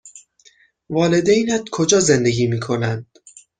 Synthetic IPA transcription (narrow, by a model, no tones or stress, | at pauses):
vɒːle̞d̪ejnæt̪kʰo̞d͡ʒɒːze̞nd̪e̞ɡʲiːmiːkʰo̞nænd̪̥